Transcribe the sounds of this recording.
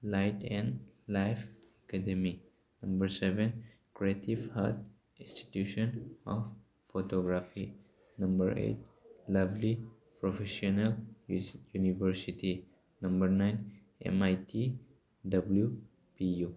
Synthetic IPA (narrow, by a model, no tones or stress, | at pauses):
lajtɛ̃nlajfakad̪emi | nɐ̃mbəɾseven | kɾiet̪ʰivha̰t̪ | ĩnsti̥t̪juʃɔnɔf | fotoɡɾafi | nɐmbəɾḛtlɐvli | pɾofeʃonal | junivəɾsitʰi | nɐ̃mbəɾnajn | ḛmajt̪ʰi | dɐblju | piju